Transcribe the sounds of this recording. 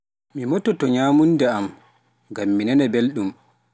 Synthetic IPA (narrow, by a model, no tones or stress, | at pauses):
mimɔtːɔtɔɲaːmundɛam | ŋɡamːinɛnɛbelɗum